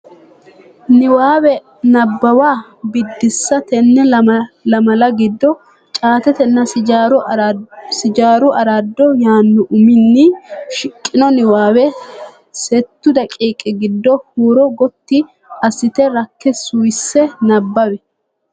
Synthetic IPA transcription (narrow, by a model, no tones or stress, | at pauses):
nɪwaːwɛ | nɐbːɐwaː | bɪd̪ːɪsːɐt̪ɛnːɛlɐmɐlɐɡɪd̪ːɔ | t͡ʃʼaːt̪ɛt̪ɛnːɐɾ | sɪd͡ʒaːɾʊʔɐɾad̪ːɔjaːnːʊʔʊmɪnːɪʃɪkʼːɪnɔnɪwaːwɛ | sɛt̪ːʊd̪ɐkʼiːkʼːɪɡɪd̪ːɔhuːɾɔɡɔt̪ːɪ | ɐsɪt̪ɛɾɐkːɛsujsːɛnɐbːɐwɛ